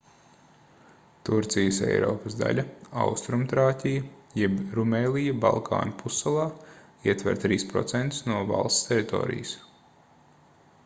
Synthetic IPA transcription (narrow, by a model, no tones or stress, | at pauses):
t̪uɾt̪sijəsɛ̰jɾɔ̰ːpəsd̪a̰lʲɐa̰wst̪ɾumt̪ɾaːt̪ʲijɐjɛbɾumeːlijɐba̰lˠkʰa̰ːnpʰusalˠɑː | iɛt̪vʲɛ̰ɾt̪ɾiːspɾɔ̰t̪sɛnt̪u̥snuɔva̰lˠst̪st̪ʲɛɾit̪o̰ːɾḭjəs